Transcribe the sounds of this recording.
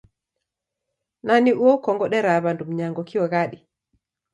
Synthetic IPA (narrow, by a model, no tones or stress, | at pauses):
naniʔuɔkɔŋɡɔɗɛɾaβandum̩ɲaŋɡɔkiɔɣaɗi